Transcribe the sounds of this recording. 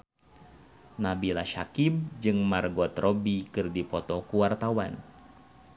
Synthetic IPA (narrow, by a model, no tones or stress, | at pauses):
nabilaʃakibd͡ʒɨŋmarɡɔt̪rɔbikɨrdipɔt̪ɔkuwart̪awan